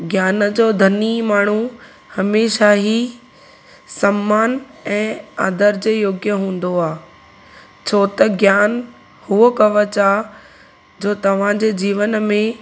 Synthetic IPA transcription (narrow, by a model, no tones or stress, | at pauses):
ɡjaːnəd͡ʑoːd̪ʱɐnimaːɳ̤u | hɐmeːʃaɦi | sɐmːaːnɛ̃ːaːd̪əɾd͡ʑeːjoːɡjəɦũːn̆d̪oaː | t͡ɕʰoːt̪ɐɡjaːn | huokɐʋət͡ɕaː | d͡ʑoːt̪ɐʋ̤ãd͡ʑeːd͡ʑiːʋənmẽ